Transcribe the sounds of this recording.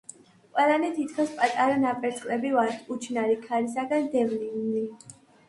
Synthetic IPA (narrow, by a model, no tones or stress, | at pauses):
qʼwɛlˠanɛt̪ʰit̪ʰkʰaspʼat̪ʼaɾanapʼɛɾt̪sʰχlɛbivaɾt̪ʰut͡ʃʰnaɾikʰaɾisaɡand̪ɛvlili